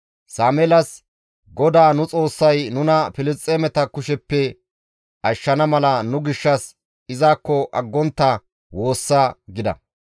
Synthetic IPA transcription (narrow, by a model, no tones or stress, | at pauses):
saːmɛlɐs | ɡɔd̪aːnʊt͡sʼo̞ːsːɐjnʊnɐfɪlɪst̪ʼːeːmɛt̪ɐkʊʃɛpːɛ | ʔɐʃːɐnɐmɐlɐnʊɡɪʃːɐs | ɪzaːkːɔʔɐɡːɔnt̪ːɐ | wo̞ːsːaːɡɪd̪ɐ̰